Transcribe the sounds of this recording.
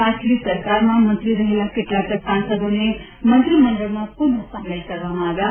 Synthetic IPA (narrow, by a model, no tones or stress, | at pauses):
aʈʰlisəɾkaɾmãmə̃nt̪ɾiɾəɦelakeʈlaʈəksãnsəd̪one | mənt̪ɾiməɳɖəɭmãpunəsamelkəɾʋamãːʋja